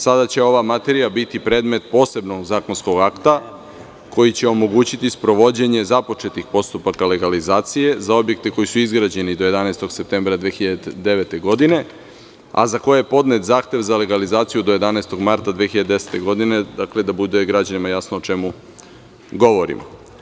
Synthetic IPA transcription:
sad̪at͡ɕe̞o̞ʋamat̪e̞ɾijabit̪ipɾeːd̪me̞t̪po̞ːse̞bno̞ɡzaːko̞nsko̞ɡakt̪a | ko̞jit͡ɕeo̞mo̞ɡuːt͡ɕit̪ispɾo̞ʋo̞d͡ʑe̞ɲezapo̞t͡ʃe̞t̪ixpo̞st̪upakale̞ɡalizaːt̪sije̞zao̞bje̞k̚t̪e̞ko̞jisuizɡɾad͡ʑe̞nid̪o̞jed̪anaest̪o̞ɡ̥se̞pt̪embɾad̪ʋeːxiʎad̪d̪e̞ʋe̞t̪e̞ɡo̞d̪ine̞ | a̰zakojepo̞d̪net̪zaːxt̪e̞ʋzale̞ɡalizaːt̪sijud̪o̞je̞d̪anaest̪o̞ɡmaɾt̪ad̪ʋeːxiʎad̪ed̪e̞se̥t̪e̞ɡo̞d̪ine̞d̪akle̞d̪abud̪e̞ɡɾad͡ʑanimajasnoot͡ʃemu | ɡo̞ʋo̞ɾḭmo̰

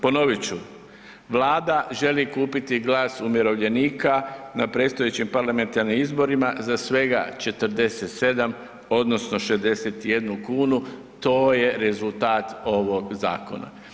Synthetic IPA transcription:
po̞no̞ʋit͡ɕu | ʋlaːd̪aʒe̞likuːpit̪iɡlaːsumjeɾo̞ʋʎe̞niːkanapɾe̞t̪st̪ojet͡ɕimpaɾlˠame̞nt̪aɾnimizbo̞ɾimazasʋe̞ɡa̰t͡ʃe̞t̪əɾd̪e̞set̪se̞d̪am | o̞d̪no̞sno̞ʃezd̪e̞set̪jed̪nukuːnu | t̪o̞ːje̞ɾe̞zulˠt̪aːt̪o̞ʋo̞ɡza̰ːko̞̰na̰

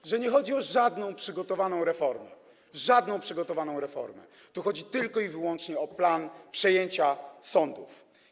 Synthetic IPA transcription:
ʐɛɲɛxɔd͡ʑiɔʐad̪nɔ̃w̃pʂɘɡɔt̪ɔvanɔ̃w̃ɾɛfɔɾmɛ̰ | ʐad̪nɔ̃w̃pʂɘɡɔt̪ɔvanɔ̃w̃ɾɛfɔ̰ɾmɛ̰ | t̪uxɔd͡ʑit̪ɘlkɔivɘwɔnt͡ʂɲɛɔplanpʂɛjeɲt͡ɕasɔnd̪uf

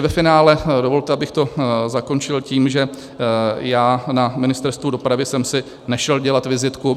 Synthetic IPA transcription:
vɛfɪnaːlɛdovo̞lt̪ɛabɪxt̪o̞zako̞nt͡ʃɪlciːmʒɛ | jaːnamɪnɪst̪ɛɾst̪vudo̞pɾavɪsɛmsɪ | nɛʃɛlɟɛlat̪vɪzɪt̪ku

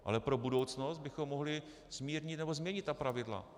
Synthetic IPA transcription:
ʔa̰lɛpɾo̞budo̞wt͡sno̞st̪̚bɪxo̞mːoɦlɪ | z̥miːɾɲɪt̪nɛbo̞zmɲɛɲɪt̪t̪apɾavɪdla̰

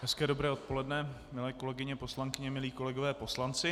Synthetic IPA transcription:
ɦɛskɛːdo̞bɾɛːo̞t̪̚po̞lɛdnɛ | mɪlɛːko̞lɛɡɪɲɛpo̞slaŋkɪɲɛmɪliːko̞lɛɡovɛːpo̞slant͡sɪ

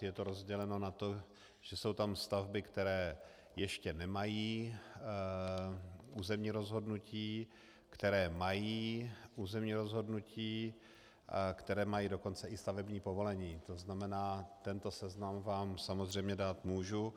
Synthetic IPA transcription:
jɛt̪o̞ɾo̞zɟɛlɛno̞nat̪o̞ | ʒ̥ɛso̞wt̪amst̪avbɪkt̪ɛɾɛː | jɛʃcɛnɛmajiː | ʔuːzɛmɲiːɾo̞zɦo̞dnuciː | kt̪ɛɾɛːmajiːʔuːzɛmɲiːɾo̞zɦo̞dnuciː | kt̪ɛɾɛːmajiːdo̞ko̞nt͡sɛʔɪst̪avɛbɲiːpo̞vo̞lɛɲiːt̪o̞znamɛnaːt̪ɛnt̪o̞sɛznamvaːmsamo̞zr̝ɛjmɲɛdaːt̪muːʒu

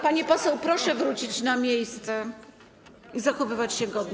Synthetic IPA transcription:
paɲɛpɔsɛwpɾɔʂɛvɾut͡ɕit͡ɕnamʲjejst̪sɛ | izaxɔvɘvat͡ɕɕɛɡɔd̪ɲ

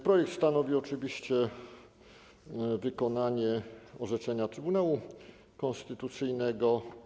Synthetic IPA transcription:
pɾɔjɛk̚t̪st̪anɔvʲiɔt͡ʂɘvʲiɕt͡ɕɛ | vɘkɔnaɲɛɔʐɛt͡ʂɛɲat̪ɾɘbunawu | kɔ̃nst̪ɘt̪ut̪sɘjnɛɡɔ

